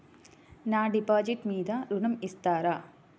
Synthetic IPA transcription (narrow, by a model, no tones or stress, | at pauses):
naːɖipaːd͡ʒiʈmiːd̪ɐɾunɐmist̪aːɾa